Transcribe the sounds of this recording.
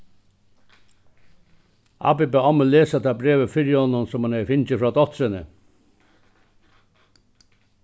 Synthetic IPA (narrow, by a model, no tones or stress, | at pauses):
a̰ːpɪbeɔməleːsat̪ʰaːbɾeːʋəfɪɾjɪhɔnːʊnsɔmhanɛfɪnt͡ɕəfɾɑːd̪ɔt̪ɾɪnə